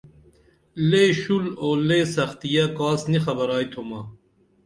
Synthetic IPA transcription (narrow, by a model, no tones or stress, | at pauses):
leɕuloːleːsɐxt̪ijakaːsnixɐbɐɾaːit̪ʰomɐː